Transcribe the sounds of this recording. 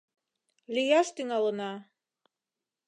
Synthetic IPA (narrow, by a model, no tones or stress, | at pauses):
lʲijast̪iŋalˠɤna